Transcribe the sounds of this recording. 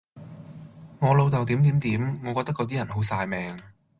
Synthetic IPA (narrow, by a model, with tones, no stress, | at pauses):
ŋɔː˨˧lo˨˧wt̪ɐ˨wt̪iː˨˥mt̪iː˨˥mt̪iː˨˥mŋɔː˨˧kɔː˧k̚t̪ɐ˥kɔ˨˧t̪̬iː˥jɐ˨˩nho˨˥wsaː˧jmɛː˨ŋ